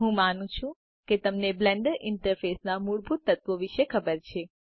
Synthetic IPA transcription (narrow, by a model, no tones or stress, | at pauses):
ɦũmanũt͡ʃʰũ | ket̪əmneblɛɳɖəɾʔɪɳʈəɾfesnamuɭbʱut̪ːət̪ʋoʋiʃekʰəbəɾt͡ʃʰe